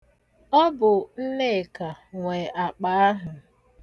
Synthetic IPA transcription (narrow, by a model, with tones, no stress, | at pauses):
ɔ˦bʊ˨n̩˦le˦˨ka˨ŋʷe˨ʔa˨k͡pa˨˦a˦ɦʊ˨